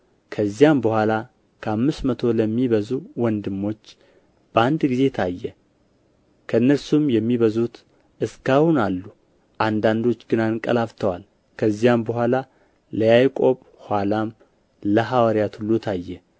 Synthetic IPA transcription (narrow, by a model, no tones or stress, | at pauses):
kʰəzːijambəhʷala | kʰəamːɨst̪mət̪ʰo̞ləmːiβəzuwɔnd̪ɨmːo̞t͡ʃː | b̥əand̪ɡize̞t̪ʰajːɛ | kʰəɨnːəɾsumjɛmːiβəzut̪ | ʔɨskahunalːu | ʔand̪and̪o̞t͡ʃːɡɨnankʼə̰laft̪ʰəwal | kʰəzːijambəhʷala | ləjajkʼo̞β | hʷwalam | ləɦawəɾjat̪hulːut̪ʰajːɛ